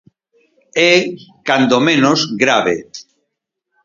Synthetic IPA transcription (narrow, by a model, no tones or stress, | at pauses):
ɛkand̪omẽnozɡɾaβḛ